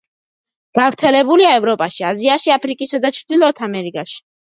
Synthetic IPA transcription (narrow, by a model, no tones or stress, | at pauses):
ɡ̥avɾt̪sʰɛlɛbuliaɛvɾɔpʼaʃiaziaʃiapʰɾikʼisad̪at͡ʃʰɾd̪ilˠɔt̪ʰamɛɾikʼaʃi̥